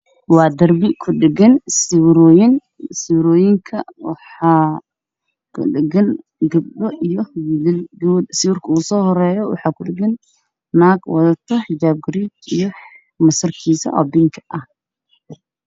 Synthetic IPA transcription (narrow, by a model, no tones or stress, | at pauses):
wɑːd̪ɐrbɪkʰʊɖɛɡɐnsɪwɾɔːjɪn | sɪwɾɔːjɪŋkʰɐwɑ̰ħɑː | kʰʊ̰ɖɪɡɐn | ɡɐb̚ɗɔʔijɔwilɪlɡud̪sɪwʊrkʰɐuːsɔːhɔɾɛːjɔwɑ̰ħɑːkʰʊɖɪɡɐn | naːɡwɐðɐt̪ʰɐd͡ʒaːb̚ɡɾit͡ʃijɔ | mɐsɐrkʰiːsɐ̰ʔɔ̰ːbɪŋkʰʔɐh